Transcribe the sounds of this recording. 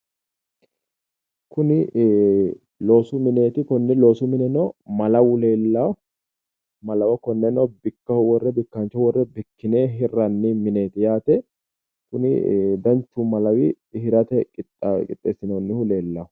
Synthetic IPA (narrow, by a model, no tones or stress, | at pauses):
kʊnɪ | lo̞ːsʊmɪne̞ːt̪ɪkɔnːɛlo̞ːsʊmɪnɛnɔmɐlɐwʊle̞ːlːaw | mɐlɐwɐkɔnːɛnɔbɪkːɐhʊwɔrːɛbɪkːɐnt͡ʃːɐhwɔrːɛbɪkːɪneːɦɪrːɐnːɪmɪne̞ːt̪ɪjaːt̪ɛ | kʊnɪ̰d̪ɐnt͡ʃːʊmɐlɐwɪː | hɪɾɐt̪ɛkʼɪt̪kʼɪt̪ʼːḛːsɪnɐnːɪhʊle̞ːlːɐwʊ